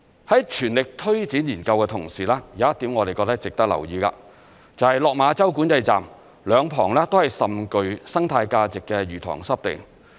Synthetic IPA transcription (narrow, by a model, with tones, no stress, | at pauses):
hɐ˨˥jt͡ʃʰyː˨˩nlɪ˨k̚t̪ʰɵ˥ɥt͡siː˨˥njiː˨˩nkɐ˧wkɛː˧t̪ʰʊ˨˩ŋsiː˨lɛː˥ja˨˦jɐ˥t̪iː˨˥mŋɔː˨˧e˨kɔː˧k̚t̪k̚t͡sɪ˨k̚t̪ɐ˥k̚lɐ̰˨˩wjiː˧ka̰ː˧ | t͡sɐ˨whɐ˨jlɔː˨k̚maː˨˧t͡sɐ˥wku˨˥nt͡sɐ˧jt͡sa̰ː˨m | lœː˨˧ŋpʰɔ̰ː˨˩ŋlɛː˥t̪o˥whɐ˨jsɐ˨mkɵ˧ɥsɐ˥ŋt̪ʰaː˧jkaː˧t͡sɪ˨kːɛ˧jyː˨˩t̪ʰɔ̰ː˨˩ŋsɐ˥p̚t̪ɪ̰˨ŋ